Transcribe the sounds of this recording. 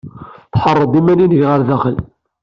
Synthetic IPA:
θħərˤːəd̪ˤimæninəʝʁəɾðæχəl

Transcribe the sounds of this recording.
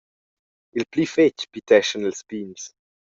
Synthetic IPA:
ilplyfet͡ʃpit̪ɛʃənilspins

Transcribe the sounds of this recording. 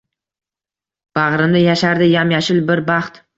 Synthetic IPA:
b̥aʁɾɪmd̪ɪjaʃaɾd̪ɪjamjaʃɪlbɪɾbɑχt̪

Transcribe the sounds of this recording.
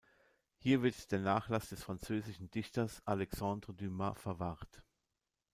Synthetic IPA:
hiːɐvɪɐtd̥eːɐnaːχlasd̥ɛsfʁ̥ant͡søːzɪʃn̩dɪçtɐsʔalɛksandʁodymafɛɐvaʁt

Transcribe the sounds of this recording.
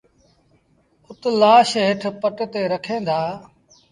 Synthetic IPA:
ʊt̪laːʃɦɪʈʰpəʈt̪eːɾəkʰẽːd̪ʱaː

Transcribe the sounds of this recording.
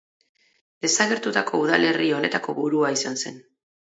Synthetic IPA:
d̪e̞saɣ̞e̞ɾt̪ut̪ako̞uð̞ale̞rio̞ne̞t̪ako̞βuɾuaisanse̞n

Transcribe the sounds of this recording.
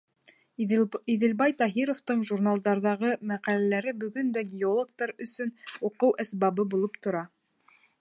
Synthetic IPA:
iðɘ̆lbɑjt̪ɑɦiɾoft̪ɤɴʒuɾnalˠd̪ɑɾðɑʁɤmæqælælæɾɘbɵ̆ɡɵnd̪æɡʲɪolˠok̚t̪ɑɾɵ̆sɵnuqɤwʔæsbɑβɤbulˠɤpt̪ŏɾɑ

